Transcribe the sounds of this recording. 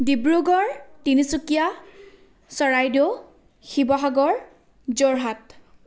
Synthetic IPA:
dibɹuɡɔɹtinisukija | sɔɹajdo | xibɔɦaɡɔɹ | zɔɹɦat

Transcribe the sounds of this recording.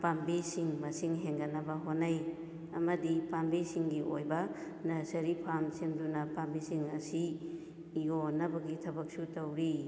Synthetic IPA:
pambisiŋmɐsiŋɦeŋɡɐnɐbɐɦonːaj | ɐmɐdipambisiŋɡiʔojbɐ | nɐsɐɾipʰamsemdunɐpambisiŋɐsiː | onɐbɐɡitʰɐbɐk̚sutɐwɾi

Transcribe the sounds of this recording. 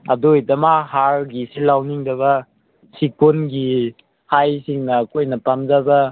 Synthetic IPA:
ɐ̰dojdɐmaɦaɾɡisilawniŋdɐβɐ | sikonɡi | hajsiŋnɐkojnɐpamzabɐ

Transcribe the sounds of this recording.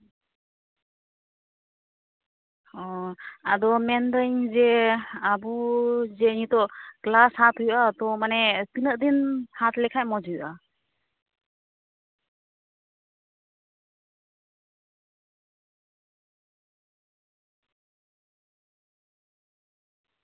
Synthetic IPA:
ɔadɔmɛndəŋzeabuzenitɔklashatʰujʔatɔmanɛtinəʔdinhatlɛkʰajmɔd͡ʒujʔa

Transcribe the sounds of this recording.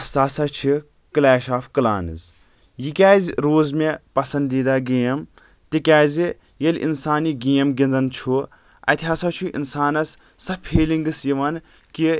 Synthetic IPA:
saːsɐt͡ʃʰi | klaːʃaːfkɨla̰ːnɨ̰z | jikʲaːzʲɾoːzmepɐsɐnd̪iːd̪aːɡijɐm | t̪ikʲaːzi | jɐlʲʔḭnsaːniɡijɐmɡʲind͡zɐnt͡ʃʰu | ɐ̰t̪ʰʲaːsat͡ʃʰuʔḭnsaːnɐsː | ɐpʰiːliŋɡɨsjiʋɐn | ki

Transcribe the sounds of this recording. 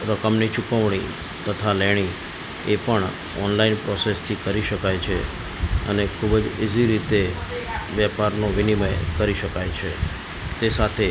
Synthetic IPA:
ɾəkəmnit͡ʃukəʋɳ̃i | t̪ət̪ʰaleɽ̃i | epəɳ | ɔ̰nlainpɾɔsest̪ʰikəɾiʃəkajt͡ʃʰe | ə̰nekʰubəd͡ʒed͡ʒiɾit̪eʋjɛpaɾnoʋɪniməjkəɾiʃəkajt͡ʃʰe | t̪esat̪ʰe

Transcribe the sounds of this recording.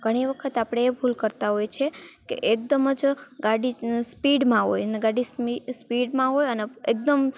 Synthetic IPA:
ɡʱəɽ̃iʋəkʰət̪apɽ̃eːbʱulkəɾt̪aɦojt͡ʃʰekḛʔek̚d̪əməd͡ʒɡaɽispiɽmãɦo̰jneɡaɽisispiɽmãɦojəneek̚d̪əm

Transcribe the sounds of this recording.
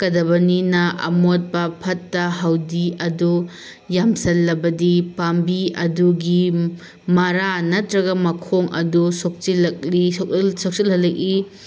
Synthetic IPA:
kɐdɐbɐninɐʔɐ̰mot̚bɐpʰɐtːɐɦɐwdiɐdu | jamsɐlːɐbɐdipambiɐduɡi | mɐɾanɐtɾɐɡɐmɐkʰoŋɐ̰dusok̚t͡ʃilɐk̚lisok̚silhɐlɐk̚i

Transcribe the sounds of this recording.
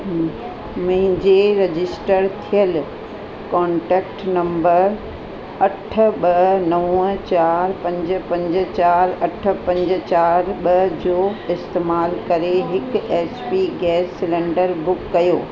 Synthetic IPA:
mʊ̃ɦɪ̃ɲd͡ʑeɾɐd͡ʑɪsʈəɾt̪ʰijəl | kɔ̃ːɳʈɛːkʈnɐ̃mbəɾ | ɐʈʰə̆ɓɐɦnɐʋə̃t͡ɕaːɾpɐ̃ɲd͡ʑə̆pɐ̃ɲd͡ʑə̆t͡ɕaːɾɐʈʰə̆pɐ̃ɲd͡ʑə̆t͡ɕaːɾɓɐɦd͡ʑoːɪst̪eːmaːlkɐɾeɦɪkɛːspiɡɛːsːɪlẽːɳɖəɾbʊkːɐjoː

